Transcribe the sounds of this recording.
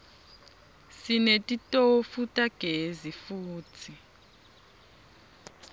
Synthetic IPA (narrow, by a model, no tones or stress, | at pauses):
sinetʼitʼofutʼaɡ̥ʱezifuːtʰi